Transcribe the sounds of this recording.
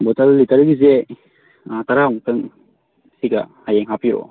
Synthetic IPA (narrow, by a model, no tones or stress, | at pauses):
bɔtalːitɐɾɡize | taɾaɔŋtɯŋ | siɡahajeŋɦapiɾo̰